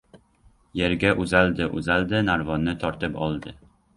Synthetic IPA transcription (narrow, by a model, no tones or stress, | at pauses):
je̞ɾɡʲaʔʊzald̪ɪʔʊ̰zald̪ɪnaɾvɒnːɪt̪ʰɒɾt̪ɪpɒlˠd̪ɪ